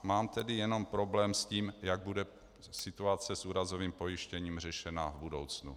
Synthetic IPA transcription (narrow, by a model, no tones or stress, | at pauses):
maːmt̪ɛdɪjɛno̞mpɾo̞blɛːmsciːmjaɡ̚budɛ | sɪt̪uat͡sɛsʔuːɾazo̞viːmpo̞jɪʃcɛɲiːmr̝ɛʃɛna̰vbudo̞̰wt͡snṵ